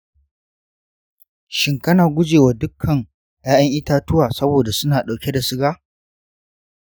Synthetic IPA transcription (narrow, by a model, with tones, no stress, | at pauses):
ʃɪ˦ŋkɐ˦naː˨ɡʷʊ˦d͡ʒeː˨wa˨dʊ˦kʰːɐ˨ŋ | jaː˦j̰ɐ˦ŋʔɪ˦taː˦tʊ˦waː˨sɐ˦boː˨da˨sʊ˦naː˨ɗa˨kʲe˦da˨sɪ˦ɡaː˦